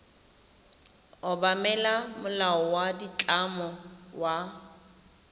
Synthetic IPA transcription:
ʊbamɛlamʊlaɔwadit͡ɬʼamɔwa

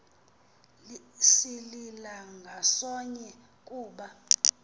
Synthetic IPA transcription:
l | sililaŋɡʱasɔɲɛ | kʼuːɓa

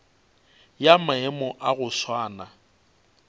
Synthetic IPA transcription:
jamaɛmɔʔaɣʊʃwaːna

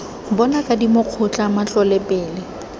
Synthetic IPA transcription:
bɔnakʼadimʊq͡χʰʊt͡ɬʼamat͡ɬʼɔlɛpʼɛːlɪ

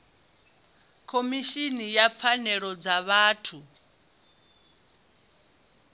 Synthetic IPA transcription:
kʰomiʃinijap̪fʰanɛɺɔd͡zaβaːtʰu

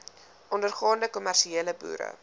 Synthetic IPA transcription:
ʔɔndərχɑːndəkɔmærʃieːləbṵːɾə̰

